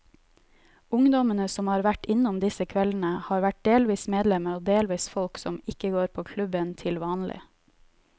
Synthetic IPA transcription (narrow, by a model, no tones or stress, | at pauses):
ʊŋd̪ɔmənəsɔmhɑːɾʋæʈɪnʊmd̪ɪsəkʰʋɛln̩əhɑːɾʋæʈ̚d̪eːlʋiːsmeːd̪lɛməoːd̪eːlʋiːsfɔlksɔmɪkəɡoːɾpʰoːkʰlʉbənt̪ʰɪlʋɑːnlɪ̰